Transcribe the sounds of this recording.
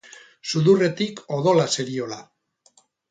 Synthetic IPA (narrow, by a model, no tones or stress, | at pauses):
suðure̞t̪iko̞ðo̞lase̞ɾio̞la